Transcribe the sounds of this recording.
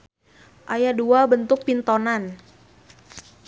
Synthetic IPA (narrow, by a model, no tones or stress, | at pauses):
ʔajaduabənt̪ʊk̚pint̪onan